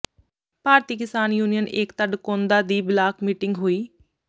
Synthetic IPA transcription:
paːɾt̪iːkɪsaːnjuːnijəneːkt̪əɖkõːnd̪aːd̪iːblaːkmiːʈɪŋɡɦoːiː

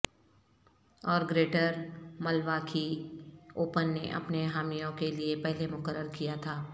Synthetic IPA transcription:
ɔːɾɡɾeːʈəɾmɐlʋaːkʰi | oːpənːeʔɐ̰pneɦaːmijõkeliepɛɦlemʊkəɾːəɾkijat̪ʰaː

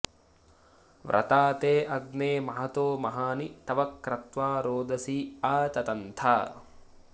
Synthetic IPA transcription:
ʋɾʔɐ̰t̪aːt̪eːʔɐɡneːmɐɦɐt̪oːmɐɦaːnit̪ɐʋɐkːɾɐt̪ʋaːɾoːd̪ɐsiːaːt̪ɐt̪ɐnt̪ʰaː

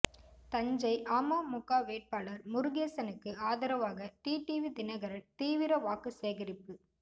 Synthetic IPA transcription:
t̪ɐɲd͡ʒɐɪʔaːmaːmʊkːaːʋeːʈ̚paːlɐɾmʊɾʊɣeːsɐnɯkːɯaːðɐɾɐʋaːɣɐʈiːʈiʋid̪ɪnɐɣɐɾɐɾt̪iːʋɪɾɐʋaːkɯseːɣɐɾɪpːɯ

